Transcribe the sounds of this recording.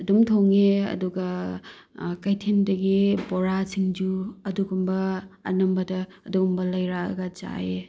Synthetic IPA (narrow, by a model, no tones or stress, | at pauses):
ɐdumtʰowŋeɐ̰duɡɐ | kɐjtʰendɐɡiboɾasiŋd͡ʒuɐduɡumbɐ̰ːnɐmbɐdɐːduɡumbɐlɐjɾaɐ̰ɡɐt͡ʃa̰e